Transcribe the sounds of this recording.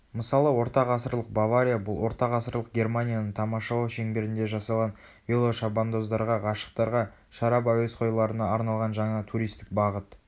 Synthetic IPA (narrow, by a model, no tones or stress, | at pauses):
məsɑlˠəwo̞ɾt̪ɑqɑsəɾlˠəq̚bavaɾʲijabʊlˠwo̞ɾt̪ɑqɑsəɾlˠəq̚ɡʲe̞rmanʲijanəɴt̪ʰɑmɑʃɑlˠɑwʃe̞ŋbe̞ɾɪnd̪e̞ʒɑsɑlˠʁɑn | velˠo̞ʃɑband̪o̞zd̪ɑɾʁɑʁɑʃə̥q̚t̪ɑɾʁɑ | ʃɑɾɑbawesqʰo̞jlˠɑɾənɑːɾnɑlˠʁɑnʒɑɴɑt̪ʰuɾʲijst̪ɪk̚bɑʁət̪